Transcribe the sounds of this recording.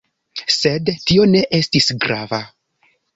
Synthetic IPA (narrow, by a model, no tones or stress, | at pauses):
se̞dtio̞ne̞ʔe̞stisɡɾava